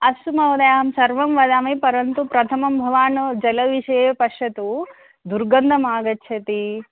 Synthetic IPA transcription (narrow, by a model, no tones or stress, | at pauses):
ɐsumɐʋɐd̪ɐjaːɦɐmsɐɾʋɐmʋɐd̪aːmɐːpɐɾɐnt̪upɾɐt̪ʰɐmɐmbʱɐʋaːnɐd͡ʒɐlɐʋiʃɐjepɐʂɐt̪u | d̪uɾɡɐnd̪ʱɐmaːɡɐtːʃʰɐt̪i